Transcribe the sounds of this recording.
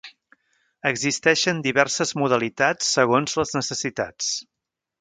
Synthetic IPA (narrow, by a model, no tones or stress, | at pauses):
əɡzist̪ɛʃənd̪iβɛrsəzmuðəlit̪at͡sːəɣ̞onzləznəsəsit̪a̰t͡s